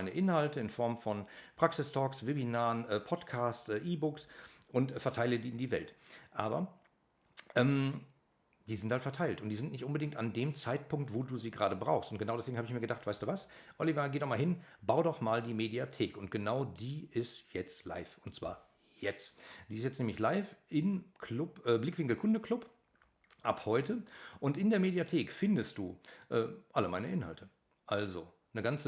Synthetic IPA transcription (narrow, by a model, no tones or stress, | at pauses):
aɪnəʔɪnhaltəɪnfɔɐmfɔnpʁ̥aksɪstʰɔːksvebinaːənʔɛːpʰɔtkʰaːstʔɛʔiːbʊksʔʊntfɛɐtʰaɪlədiːɪndiːvɛ̰ltʔaːbɐ̰ | ʔɛːm | d̥iːzɪnthaltfɛɐtʰaɪltʊntd̥iːzɪntnɪçtʔʊnbədɪŋktandeːmt͡saɪt̚pʊŋk̚tv̥oːduːziːɡʁaːɾəbʁa̰ʊxstʊntɡ̥ənaʊdɛsv̥eːɡŋ̩haːbɪçmiɐɡədaχtv̥aɪsd̥uːvasʔɔlivaɡeːdɔχmaːlɦɪnbaʊdɔχmaːldiːmediatʰeːkʊnt̚ɡ̥ənaʊdiːʔɪstjɛt͡stla̰ɪfʊntt͡sv̥a̰ːɐ | jɛt͡std̥iːɪstjɛt͡stnɛmlɪçlaɪfʔɪnkʰlʊpʔɛːblɪkv̥ɪŋkl̩kʰʊndəkʰl̥ʊp | ʔaphɔʏtəʔʊntɪndeːɐmeːdiatʰeːkfɪndəstd̥ṵːʔɛːʔaləmaɪnəʔɪnha̰ltʰə | ʔalzo | nəɡant͡sə